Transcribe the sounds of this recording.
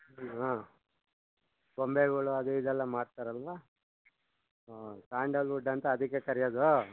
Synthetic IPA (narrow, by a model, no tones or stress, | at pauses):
ɦaː | bombeɡɐɭuɐd̪eid̪ɛlːɐmaːɖt̪aːɾɐlʋa | saːɳɖɐluɖːɐnt̪ɐːd̪ikːekɐɾijoːd̪u